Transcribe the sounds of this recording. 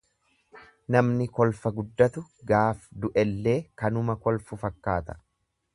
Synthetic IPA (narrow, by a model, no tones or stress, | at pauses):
nɐmnɪkɔlfɐɡʊd̪ːɐt̪ʊɡaːfd̪ʊʔɛlːe̞ːkɐnʊmɐkɔlfʊfɐkːaːt̪ɐ̥